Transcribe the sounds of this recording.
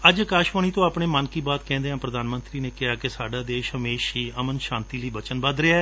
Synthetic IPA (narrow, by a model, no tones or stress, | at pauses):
əd͡ʒəkaːʃʋaːɳ̃iːt̪õːaːpɳeːmənkiːbaːt̪kɛ̃ːnd̪eːɦãːpɾəd̪aːnmə̃nt̪ɾiːneːkɪɦaːkesaːɖaːd̪eːʃɦəmeːʃɦiːəmənʃãːnt̪iːləiːbət͡ʃənbəd̪ɾɪaː